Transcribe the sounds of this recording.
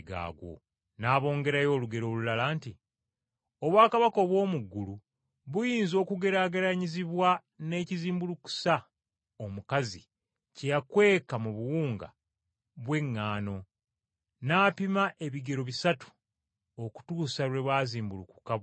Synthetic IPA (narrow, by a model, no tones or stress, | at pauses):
ɡa̰ːɡwo̞̰ | naːβo̞ːŋɡe̞ɾajo̞ːluɡe̞ɾo̞lulalaːnti | o̞βwaːkaβakoβwo̞ːmuɡːulu | βujiːnzo̞ːkuɡe̞ɾaːɡeɾaɲiziβwa | ne̞ːciziːmbuluku̥sa | omukazi | cejakwe̞ːkamuβuwuːŋɡa̰ | βwe̞ŋːaːno̞ | naːpimaʔe̞βiɡe̞ɾo̞βisatu̥ | o̞ku̥tuːsaɾwe̞βwaːziːmbuluku̥ka